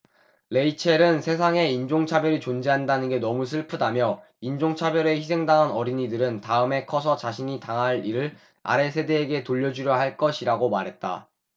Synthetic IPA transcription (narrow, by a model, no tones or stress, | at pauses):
le̞it͡ɕʰe̞ɾɯnsʰe̞s̬ʰaŋe̞ind͡ʑoŋt͡ɕʰabjʌɾit͡ɕond͡ʑeɦandanɯnɡe̞nʌmusʰɯɭpʰɯdamjʌ | ind͡ʑoŋt͡ɕʰabjʌɾe̞çisʰe̞ŋdaɯnʌɾiɲidɯɾɯntaɯme̞kʰʌsʰʌt͡ɕaɕʰiɲitaŋɦaɾiɾɯɭ | a̰ɾe̞sʰe̞de̞ːɡe̞toʎːʌd͡ʑuɾjʌɦaɭk͈ʌɕʰiɾaɡomaɾɦe̞t̚t͈a̰